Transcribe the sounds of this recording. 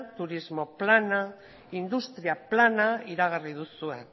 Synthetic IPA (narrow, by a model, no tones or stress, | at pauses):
t̪uɾizmo̞plana | ind̪ust̪ɾiaplanaiɾaɣ̞arið̞usue̞n